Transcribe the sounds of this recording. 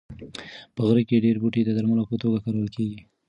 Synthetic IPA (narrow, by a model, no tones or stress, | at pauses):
pəɣɾikeɖeɾbuʈed̪əd̪aɾmalopət̪oɡakaɾawəlkeɡi